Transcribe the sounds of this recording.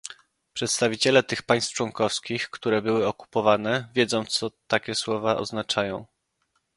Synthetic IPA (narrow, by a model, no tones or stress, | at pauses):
pʂɛt̪st̪avʲit͡ɕɛlɛt̪ɘxpaj̃st̪ft͡ʂwɔŋkɔfskʲixkt̪uɾɛbɘwɘɔku̥pɔvanɛvʲjɛd̪zɔ̃w̃t̪sɔt̪akʲɛswɔvaʔɔ̰znat͡ʂajɔ̃w̃